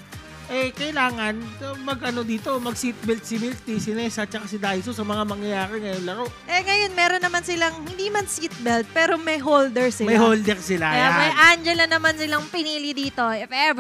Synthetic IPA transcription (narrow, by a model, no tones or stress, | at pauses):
ʔɛkɐɪlaːŋɐnɐmɐɡʔɐno̞d̪iːt̪o̞mɐɡ̚siːt̪̚bɛlt̪̚sɪmɪlt̪isɪnɛsɐt͡ʃɐkasɪd̪ajs̬osɐmɐŋamɐŋjɐjaːɾɛŋɐjonlɐɾoʔʔɛŋɐjo̞nmɛːɾo̞nːɐmansɪlaŋhɪnd̪iːmɐnsit̪̚bɛlt̪̚pɛːɾo̞mɐjɦoːld̪ɛɹsɪmɐɐjhold̪ɛɾsɪlaɐjamɐjʔand͡ʒɛlɐnɐmansɪlaŋpɪniːlɪd̪iːt̪o̞ʔɪfɛv